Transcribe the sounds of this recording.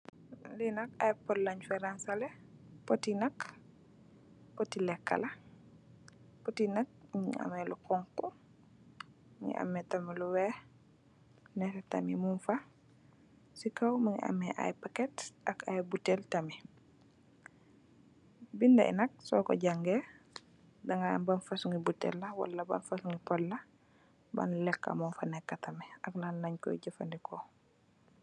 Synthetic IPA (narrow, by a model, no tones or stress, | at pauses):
linakajpɔdlaɲfɛɾansalɛ | potinak | potilɛkːa̰la | potinak̚miŋ̰a̰mɛlukɔŋkːu | mḭŋḭʔa̰mːɛtamiluwɛ | nɛtɛta̰mimunfa | sikɐwmɐŋḭʔɐ̰mːɛʔa̰jpakɛtʔɐkajbuteltɐmi | bindɐ̰ḭnɐk̚sɔːkɔ̰ɟaŋɡe | dɐŋambɐnfɐsuŋɡibutɛ̰lːɐwa̰lːɐba̰nfasuŋɡipɔllɐ | bɐ̰nlɛkːa̰munfɐnɛkːatɐmɛɐklalːɐɲkɔ̰jiɟɐfɐndikʰɔ